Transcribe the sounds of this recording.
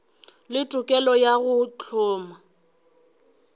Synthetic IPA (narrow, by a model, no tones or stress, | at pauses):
lɪtʼʊkʼɛlɔjaɣʊt͡ɬʰɔːma